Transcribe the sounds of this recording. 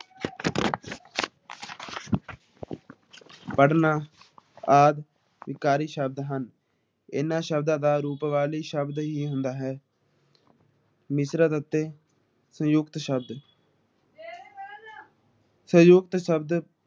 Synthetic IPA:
pəɽnaː | aːd̪ | ʋɪkaːɾiːʃəbd̪ɦən | ɪ̰nãːʃəb̚d̪ãːd̪aːɾuːpʋaːliːʃəbd̪ɦiːɦʊnd̪aːɦɛː | mɪsɾaːd̪ət̪ːeː | sə̃jʊkt̪ʃəb̚d̪ | sə̃jʊkt̪ʃəbd̪

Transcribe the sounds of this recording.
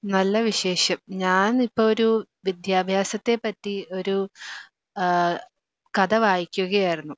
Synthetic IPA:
nɐlːɐʋiɕe̞ːʂɐmɲaːnipːoɭoɾu | ʋid̪ʱjaːbʱjaːsɐt̪ːe̞pːɐtːio̞ɾu | kɐd̪ɐʋaːjikʲːuɣɐjaːjiɾunːu

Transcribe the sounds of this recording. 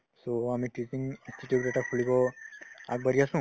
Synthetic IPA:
soamiʈisiŋɡĩnstiʈjuɖaʈakʰulikɔa̰ɡbəɾiasũ

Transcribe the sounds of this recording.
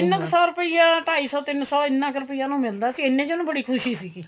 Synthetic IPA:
ɪnːəksɔːɾəpəiːãːʈaːiːsɔːt̪ɪnːsɔːɪnːãːkəɾʊpiːjãːnũːmɪld̪aːsiːɪnːẽːd͡ʒonũːbəɽiːkʰʊʃiːsiːkiː

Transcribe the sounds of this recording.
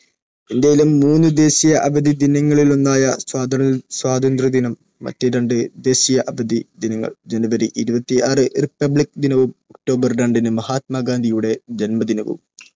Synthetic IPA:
end̪ejilumːuːnːɨd̪e̞ːɕijɐʔɐbɐd̪ʱid̪inɐŋːɐɭilonːaːjɐswaːd̪ɐswaːd̪ɐnd̪rɐd̪inɐmːɐ̰tːeɾɐɳɖɨd̪e̞ːɕijɐʔɐbɐd̪id̪inɐŋːɐ̰ɭd͡ʑenɐbɐɾiʔiɾubɐt̪ːiaːrɨripːɐbɭik̚d̪inɐʋumok̚ʈo̞ːbɐrɾɐɳɖinɨmɐhaːt̪̚mɐːɡaːnd̪ʱijuɽe̞d͡ʑenmɐd̪inɐʋṵm

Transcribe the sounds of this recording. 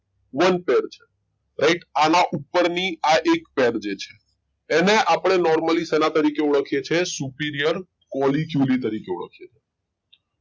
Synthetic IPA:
ʋənpeɾt͡ʃʰe̥ | ɾajʈanaʔupːəɾniaʔekpeɾd͡ʒet͡ʃʰeː | neʔapɽ̃enɔɾməlisenat̪əɾikeuɭəkʰijet͡ʃʰesupiɾijəɾ | kɔlikjulit̪əɾikeṵɭə̰kʰijet͡ʃʰe

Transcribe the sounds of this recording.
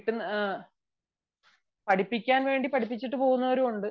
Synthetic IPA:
ʈːunː | pɐʈipːikʲːaːnʋe̞ːɳɖipɐʈʰipːit͡ɕːiʈːɨpo̞ːɣunːɐʋɐɾuuɳɖɨ

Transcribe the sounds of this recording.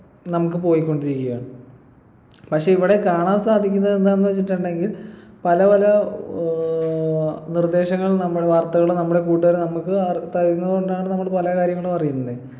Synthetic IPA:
nɐmukːɨpo̞ːjikʲːo̞ɳɖiɾikʲːujaːɳɨ | pɐkʂe̞iʋiɽe̞kaːɳaːnsaːd̪ʱikʲːunːɐðend̪aːenːɨʋɐt͡ɕːiʈːuɳɖe̞ŋɡilpɐlɐpɐlɐ | nird̪e̞ːɕɐŋːɐɭnɐmːuɽʋaːrt̪ɐɣɐɭunɐmːuɽe̞kuːʈːuʋɐɾnɐmukːɨɐt̪ɐɾunːɐðɨɣo̞ɳɖaːɳɨnɐmːɐɭpɐlɐkaːɾjɐŋːɐɭumɐrijunːɐðɨ

